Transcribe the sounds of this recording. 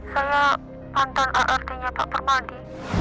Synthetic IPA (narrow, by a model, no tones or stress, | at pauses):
saja | pant̪anʔaʔart̪iɲapaʔpərmaɖi